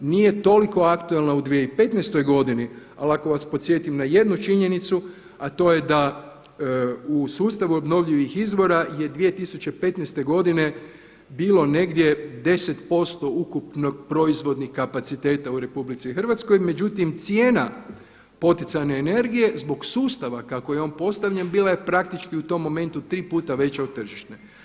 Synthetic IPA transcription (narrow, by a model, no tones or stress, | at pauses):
niːje̞t̪o̞liko̞akt̪uelnaud̪ʋieipe̞t̪nest̪o̞jɡo̞d̪ini | a̰lako̞ʋaspot̪sje̞t̪imnaje̞d̪nut͡ʃiɲe̞nit̪su | at̪o̞je̞d̪a | usuːst̪aʋuobno̞ʋʎiʋixizʋo̞ɾaje̞d̪ʋije̞t̪isut͡ɕe̞pe̞t̪nɛst̪e̞ɡo̞d̪ine̞ | biːlo̞ne̞ɡd̪je̞d̪e̞set̪po̞st̪o̞ukupnok̚pɾo̞izʋo̞d̪nixkapat̪sit̪e̞ːt̪auɾe̞publit̪sixərʋat̪skojme̞d͡ʑut̪imt̪sje̞ːna | po̞t̪it̪sajneːne̞ɾɡije̞zbo̞ɡsuːst̪aʋakakojeo̞ːnpo̞st̪aʋʎenbiːlajepɾak̚t̪it͡ʃkiut̪o̞mːo̞me̞nt̪ut̪ɾiːpuːt̪aʋe̞t͡ɕaod̪̚t̪ːr̩ʒiʃt̪ne